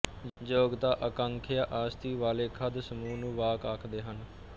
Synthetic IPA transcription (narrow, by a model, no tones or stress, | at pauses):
d͡ʒoːɡt̪aːʔəkəŋkʰɪjaːʔaːst̪iːʋaːleːkʰəd̪səmuːnũːʋaːkaːkʰd̪eːɦən